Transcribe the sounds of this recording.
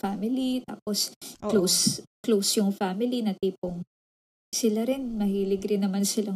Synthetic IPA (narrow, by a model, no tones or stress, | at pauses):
famɪlit̪a̰ːposklosklosjʊŋfamɪlinɐt̪iːpoŋ | sɪlaɾɪnmɐhiːlɪɡɾɪnːɐmansɪla